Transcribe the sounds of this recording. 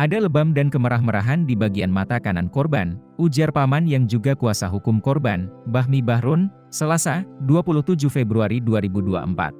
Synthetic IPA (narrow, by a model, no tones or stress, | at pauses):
ʔadaləbamdankəməɾahməɾa̰ɦandibaɡianmat̪akanankɔrba̰nʔud͡ʒarpamanjaŋd͡ʒuɡakuasaɦukʊmkɔrba̰nbaɦmibahɾʊn | səlasaduapuluht̪ud͡ʒuhfebɾuaɾiduaɾibudua̰ʔəmpa̰t̪̚